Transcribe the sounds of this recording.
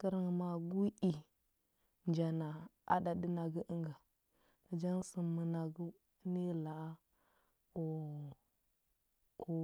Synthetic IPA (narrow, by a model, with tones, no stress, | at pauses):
kə˦ɾŋ˨ma˨ɡu˦ʔi˨ | nd͡ʒa˨na˨ | a̰˦da˨di˦na˨ɡə˦ʔə˦ŋɡa˨ | d͡ʒa˦nsə˨mə˨na˨ɡu˦ | ne˦la˨˦ | o˨ | o˨